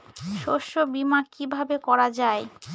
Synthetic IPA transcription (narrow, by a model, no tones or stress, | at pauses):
ʃoʃobimakibʱabekɔɾad͡ʑae